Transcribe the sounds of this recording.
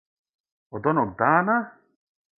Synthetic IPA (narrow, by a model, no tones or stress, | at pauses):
ɔd̪ɔnok̚d̪aːna